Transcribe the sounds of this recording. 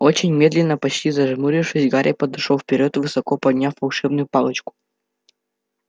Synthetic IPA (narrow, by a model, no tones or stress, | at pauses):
ot͡ɕɪnʲmʲe̞d̪lʲɪnːəpɐt͡ɕtʲizɐʐmuɾʲɪfʂɨsʲɡaɾʲʔɪ̰pəd̪ɨʂofpʲɪɾʲot̪vɨsɐkopɐd̪ʲnʲafːɐlˠʂɛbnʊjʊpɑlˠət͡ɕkʊ̥